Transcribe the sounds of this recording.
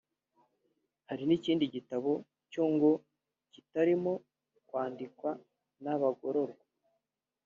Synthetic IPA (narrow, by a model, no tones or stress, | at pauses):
haɾiniciːndiɟitaβo̞ | coŋɡo̞ | citaɾimo̞ | kwaːndikwa | naβaɡo̞ɾo̞ɾɡwa